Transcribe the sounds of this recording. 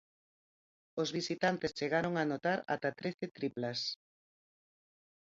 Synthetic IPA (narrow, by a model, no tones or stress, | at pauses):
ozβisit̪ant̪est͡ʃeɣaɾoŋanot̪aɾa̰t̪at̪ɾeθet̪ɾiplɐs